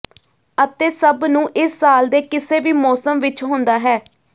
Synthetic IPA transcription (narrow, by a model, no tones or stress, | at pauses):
ət̪eːsəbnũːʔɪsːaːld̪eːkɪseːʋiːmɔːsəmʋɪt͡ʃɦʊ̃nd̪aːɦɛː